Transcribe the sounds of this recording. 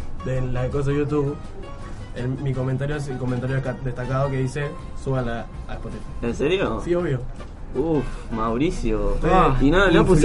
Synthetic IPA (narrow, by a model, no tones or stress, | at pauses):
d̪elaekos̬ejut̪̬uβ | emikomẽnt̪aɾjosko̞ment̪aɾjokad̪eht̪akaðokeðise | suβalaaehpot̪ifaenseɾjosioβjo | ufmawɾisjot̪oinanopu